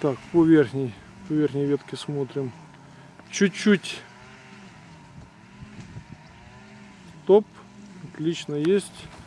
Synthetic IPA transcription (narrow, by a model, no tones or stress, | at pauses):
t̪akpɔvʲerxnʲɪj | pɐvʲerxnʲɪjʋʲet̪kʲɪsmot̪ɾʲɪm | t͡ɕʊt͡ɕːutʲ | t̪opɐt̪lʲit͡ɕnəjesʲtʲ